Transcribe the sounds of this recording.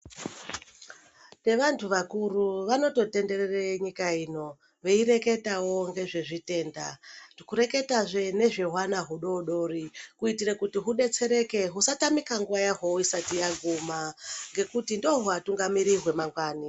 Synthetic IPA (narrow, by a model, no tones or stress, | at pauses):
ne̞ʋantʰuʋakuruʋano̞to̞te̞nde̞rereɲikaino̞ | ʋe̞iɾe̞ke̞tawo̞ŋɡe̞ʐe̞ʐite̞ːndatikuɾe̞ke̞taʐe̞ne̞ʐe̞ɦwanaɦuɗo̞ɗo̞rikuitirekutiɦuɗe̞t͡se̞ɾe̞ke̞ɦusatamikaŋɡuʋajaɦoisatijaɡʱumaŋɡe̞kutindo̞ɦuatuŋɡamiɾiɦwe̞maŋɡwaːni